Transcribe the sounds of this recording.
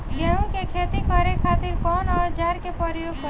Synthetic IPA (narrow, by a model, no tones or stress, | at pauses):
ɡeɦũkekʰet̪ikʌɾekʰat̪iɾkɔnɔd͡ʒaɾkepəɾjoɡk